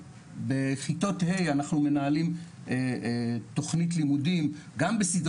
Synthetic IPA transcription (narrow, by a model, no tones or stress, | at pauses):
beχito̞the̞janaχnume̞naalim | to̞χnit̬limudimɡambesid